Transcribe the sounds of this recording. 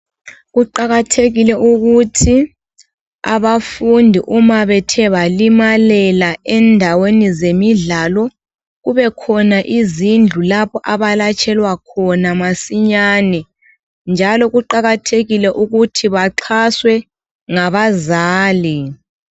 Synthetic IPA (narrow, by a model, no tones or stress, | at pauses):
ɣuǃaɣatʰeɣilɛʔuɣutʰi | a̰βafundʱiʔumaβɛtʰɛβalimalɛlaɛndʱawenizemiɮalɔ | ɣuβɛkʰɔnaʔizind͡ɮʱulapʰɔʔaβalat͡ʃʼʰɛlwakʰɔnamasiɲaːnɛ | nd͡ʒʱalɔɣuǃaɣatʰeɣilɛʔuɣutʰiβaǁʰaswɛ | ŋaβazaːli